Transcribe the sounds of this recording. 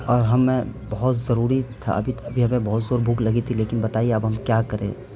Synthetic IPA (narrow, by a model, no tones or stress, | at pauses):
ɔːɾɦɐmːɛ̃bɐɦʊt̪zɐɾuːɾit̪ʰa̰ɐ̰bʱit̪ɐbʱiɦɐmẽbɔɦʊt̪zoːɾbʱuːklɐɡit̪ʰileːkɪnbɐt̪aːieɐbɦɐmkjaːkɐɾḛ̃ː